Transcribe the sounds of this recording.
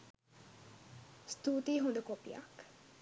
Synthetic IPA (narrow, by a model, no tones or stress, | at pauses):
st̪uːt̪iːɦond̪əkopija̰k